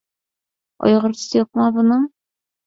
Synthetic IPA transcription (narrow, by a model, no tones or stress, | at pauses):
ɒ̰jʁɤ̆ɾsjɤ̆q̚mɑbɤ̆nɤɴ